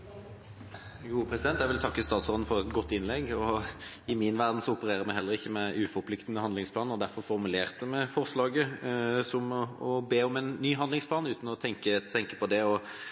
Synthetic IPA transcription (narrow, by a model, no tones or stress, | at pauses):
ɡuːpʰʁɛsɪd̪ɛnt̪jæɪʋɪlt̪ʰɑkːəst̪ɑːt̪sɔʁd̪n̩fɔɾɛt̪ɡɔt̪ːɪnlɛɡɔɪmiːnʋæʁd̪n̩sɔʊpəɾeːɾəɾmæɪɦɛlːəɾɪçːəmɛʉːfɔʁpʰlɪkt̪nəhɑnd̪ɪŋspʰlɑːnəɔd̪æɾfɔɾfɔɾmʉleːʁt̪əmɛfɔɾʂlɑːɡəsɔmɔɔbeːɔmɛnːyːɦɑnd̪lɪŋsplɑːnʉːt̪n̩ɔt̪ʰɛŋkət̪ʰɛŋkəpɔd̪ɛɔ